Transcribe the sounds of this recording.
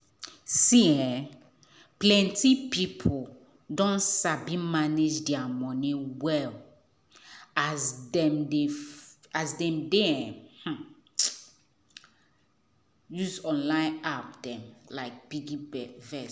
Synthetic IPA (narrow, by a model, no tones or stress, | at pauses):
siɛ̃ | plɛ̃ntipipʰo | dɔ̃nsabimaned͡ʒdɛamɔ̃niwɛl | azdɛ̃mde | azdɛ̃mdɛɛ̃h̩ | juzɔ̃nlãɪ̃ap̚dɛ̃mlaɪk̚b̥iɡibɛvɛ